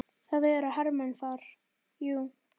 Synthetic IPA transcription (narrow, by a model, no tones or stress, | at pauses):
θaðɛɛɾahaɾmɛnθaɾ̥ | ju